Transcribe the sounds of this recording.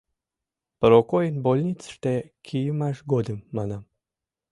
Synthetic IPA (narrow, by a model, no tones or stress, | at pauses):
pəɾokojənbolʲnʲit͡sʃt̪ekʲʰijəmaʃɡod̪ɨmːana